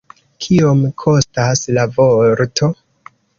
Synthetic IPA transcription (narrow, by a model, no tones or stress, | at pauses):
kʰiomkʰo̞staslavoɾtʰo̞